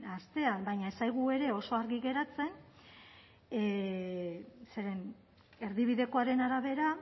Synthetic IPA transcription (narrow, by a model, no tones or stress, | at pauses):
ast̪e̞anbajɲae̞sajɣue̞ɾe̞o̞so̞aɾɣiɣe̞ɾat͡se̞n | se̞ɾe̞n | e̞ɾðiβ̞iðe̞ko̞aɾe̞naɾaβe̞ɾa